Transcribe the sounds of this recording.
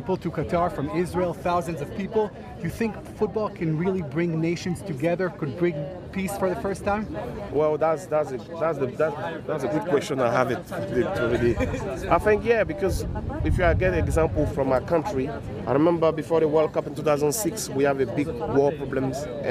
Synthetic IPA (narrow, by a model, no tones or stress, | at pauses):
ipl̩ˠtʰɨkɨtʰɑɹfɹʌ̃mɪzɹilˠθaʊzɨ̃nzʌv̥pʰipl̩ˠ | d̥ɨjɨθɪ̃ŋk | fʊt̚b̥ɔlˠkʰɨ̃nɹɪlˠibɹɪ̃ŋneɪʃɨ̃nz̥tʰɨɡɛðə˞kɨd̚bɹɪ̃ŋ | pʰisfə˞ðɨfɜ˞stʰãɪ̃mwɛlˠðatsðatsɨ | ðatsðəðatðatsəɡʊd̚kʰw̥ɛst͡ʃə̃naɪɦəvɪtɨtʰuɹiliʔaɪθɪ̃ŋkjɛbɨkʰɔzɪfjaɡɛtɛɡzãmpl̩ˠfɹɔ̃makʰʌ̃nt͡ʃɹi | ʔaɪɹimɛ̃mbə˞bɨfɔɹðəwɜ˞lˠkʌpɪ̃ntuθaʊzə̃nsɪkswiævɨbɪɡ̚wɔɹpɹɔblə̃mzʔ